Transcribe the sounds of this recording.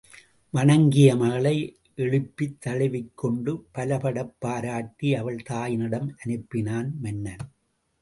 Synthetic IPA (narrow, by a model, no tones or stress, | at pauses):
ʋɐɳɐŋɡɪjɐmɐɣɐɭɐɪ | ʔɛɻɯpːɪt̪ːɐɻɐʋɪkʰːɔɳɖɯpɐlɐpɐɽɐpːaːɾaːʈːiɐʋɐɭt̪aːjɪnɪɽɐmʔɐnɯpːɪnaːnmɐnːɐn